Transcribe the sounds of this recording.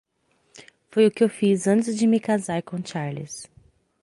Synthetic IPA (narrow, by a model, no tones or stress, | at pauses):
fojʊkɪewfizɐ̃t͡ʃɪzd͡ʒɪmɪkazaɾkõt͡ʃaɾlis